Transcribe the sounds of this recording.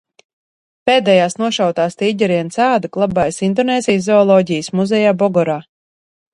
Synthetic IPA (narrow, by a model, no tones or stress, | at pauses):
peːd̪ɛjaːsnuɔʃawt̪aːst̪iːɟɛɾiɛnsaːd̪aklˠabajsind̪ɔneːzʲijszɔɔlˠɔːɟijəsmuzɛjaːbɔɡɔɾaː